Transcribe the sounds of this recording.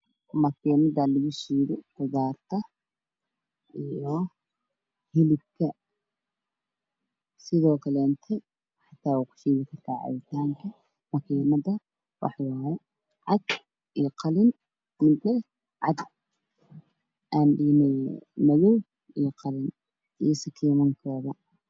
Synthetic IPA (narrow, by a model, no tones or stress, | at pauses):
mɐkʰiːnɐðɐlɐɣʊʃiːðɪkʊðaːrt̪ʰɐ | ʔijɔ | hɪlɪb̚kʰɐ | sɪðɔːkʰɐlɛːnt̪ʰɛ | ħɑt̪ʰːaːwakʰʊ̥ʃiːðɪkʰɐrt̪ʰaːʕɑ̰jɪt̪ʰaːŋkʰɐ | mɐkʰiːmɐdɐ | wɑ̰ħwaːhɛ | ʕɑɡ | ʔiːqɑlɪn | mɪd̪nɐ | ʕɑ̰d̪ | ʔaːnɗiːnɛmɐjuw | iːqɑlɪn | ʔḭjɔsɐkʰiːmɐŋkʰɔːðɐ